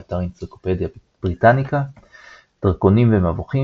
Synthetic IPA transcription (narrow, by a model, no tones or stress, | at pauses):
ataʁint͡siko̥ped̪ja | b̥ʁitanika | d̥ʁko̞nimvemavoχi